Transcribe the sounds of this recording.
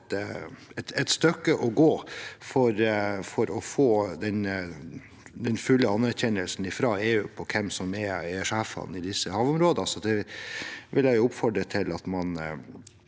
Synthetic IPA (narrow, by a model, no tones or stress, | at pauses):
t̪ɛt̪ɛt̪st̪œkːəʔɔɡoːfɔɾfɔɾɔfoːd̪ɛn | d̪ɛnfʉlːəɑnːæɾçɛnəlsn̩ɪfɾɑːeːʉːpʰɔkʰɛmsɔmɛɾɛʂæːfɑ̰n̩ɪd̪ɪsːəhɑːʋʊmɾoːd̪əɑsɔd̪ɛ | ʋɪljæɪjʊʊpfɔɖɾət̪ʰɪlɑt̪mɑn